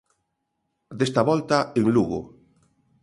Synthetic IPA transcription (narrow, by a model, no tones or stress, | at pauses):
d̪est̪aβɔlt̪aeŋluɣo